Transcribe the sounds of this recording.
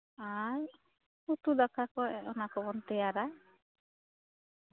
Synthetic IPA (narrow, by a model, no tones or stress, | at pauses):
aj | ut̪ud̪akakɔɔnakɔbɔnt̪ɛjaɾa